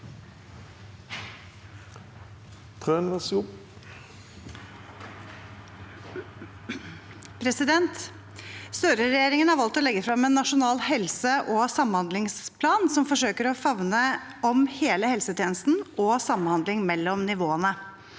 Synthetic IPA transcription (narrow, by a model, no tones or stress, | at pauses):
t̪ʰʁøːnʋɛsʊp | pʰɾɛsɪd̪ɛnt̪ | st̪øːɾəɾɛjeːɾɪŋənhɑɾʋɑlt̪ɔlɛɡːəfɾɑmɛnːɑʂʊnɑːlhɛlsəʔɔsɑmhɑnd̪lɪŋspʰlɑːnsɔmfɔʂøːkəɾɔfɑʋnə | ɔmheːləhɛlsət̪ʰjeːnəst̪n̩ʔɔsɑmənhɑnd̪lɪŋmɛlːɔmnɪʋoːənə